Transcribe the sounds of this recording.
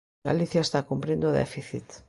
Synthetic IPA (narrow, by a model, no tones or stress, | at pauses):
a̰liθjaest̪akumpɾĩnd̪oðɛ̰fiθḭt̪